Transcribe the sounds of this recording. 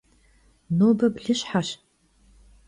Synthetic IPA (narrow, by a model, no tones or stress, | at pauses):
noːbɐbɮɨɕħaɕ